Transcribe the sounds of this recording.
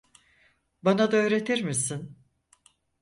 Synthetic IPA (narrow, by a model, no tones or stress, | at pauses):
banad̪aøːɾe̞t̪ʰiɾmisin